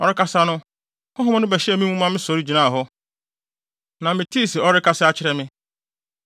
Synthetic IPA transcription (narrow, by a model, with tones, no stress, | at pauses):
ɔ˦ɾɪ˦kʰa˦sa˦nʊ̃˦ | hɔ̃˦ɦʊ˦m̃˦nʊ̃˦bɛ˨ɕɛ˦ɛ˨mĩ˦mũ˦mã˦mɪ̃˦sɔ˨ɾi˦d͡ʑi˨nãː˦˨ɦɔ˦ | nã˨mɪ̃˨tʰi˦˨sɛ˨ɔ˦ɾɪ˦kʰa˦sɪ˦a˦t͡ɕʰɪ˦ɾɛ˦mɪ̃˦